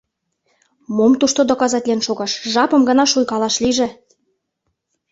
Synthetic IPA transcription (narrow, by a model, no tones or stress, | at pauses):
momt̪uʃt̪od̪okɑzɑtʲlʲenʃoɣɑʃʒɑpɤ̆mɡɤ̆nɑʃujkɑlɑʃliʒĕ